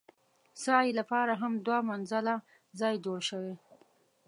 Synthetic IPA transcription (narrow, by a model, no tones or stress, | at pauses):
sɑjlapɑɾaɦamd̪wɑmanzala | zɑjd͡ʒoɽʃəwe